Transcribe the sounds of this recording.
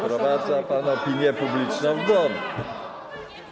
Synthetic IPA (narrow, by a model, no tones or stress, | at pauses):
pɾɔvad̪zapanɔpʲiɲʲjɛpublʲit͡ʂnɔ̃w̃ɡ̪ɔnu